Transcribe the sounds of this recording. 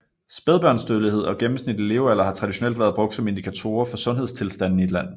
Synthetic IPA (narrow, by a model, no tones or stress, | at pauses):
sb̥eðˠb̥ɶɐnsd̥øðˠlˠihe̝ð̞̰ˠɒ̽ɡ̥emm̩snid̥ele̝ʊælɐhɑ̈t͡sʰʁɑ̈diɕo̝nel̰d̥ʋæːɐðˠb̥ʁɔ̽ɡ̥̚d̥sɒ̽me̝nd̥ikʰæt͡sʰo̝ːɐfɒ̽sɔ̽nɦe̝st͡sʰe̝lsd̥æn̰n̩ie̝d̥læn̰